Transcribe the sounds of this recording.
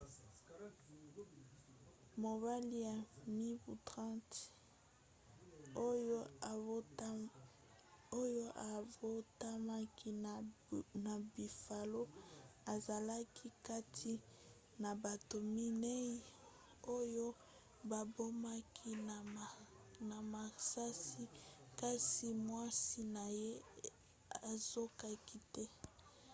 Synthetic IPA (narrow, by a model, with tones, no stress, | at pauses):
mo˨ba˦li˦ja˨ni˦bu˨tʁã˦t | o˦jo˦˨˦ | o˦jo˦ʔa˨vo˦ta˦ma˦ki˦ | na˨bi˨fa˨lo˦a˨za˨la˦kʰi˦ka˦tʰi˦ | na˨ba˨to˨mi˦ne˦i˦ | o˦jo˦ | ba˨bo˦ma˦kʰi˦n˨ | na˨ma˨sa˦si˦ka˦si˦mwa˦si˦na˨je˦ | a˨z̥o˦ka˦ki˦tɛ˦